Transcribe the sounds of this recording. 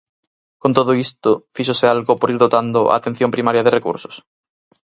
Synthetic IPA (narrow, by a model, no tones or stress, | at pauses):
kont̪oðoist̪ʊfiʃ̬osealɣopoɾiɾðot̪and̪ʊʔa̰ːt̪en̟θjõmpɾimaɾjaðerekṵɾso̥s